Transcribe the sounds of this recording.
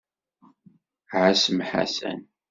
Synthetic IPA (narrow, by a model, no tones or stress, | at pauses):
ʕasəmħa̰sæ̰n